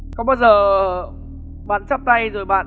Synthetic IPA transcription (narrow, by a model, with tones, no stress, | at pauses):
kɔ˨˦ɓaː˧wzəː˨˩əː˨˩ | ɓa̰ː˧˨nt͡ɕə˦˥p̚t̪a˧jzo˨˩jɓa̰ː˧˨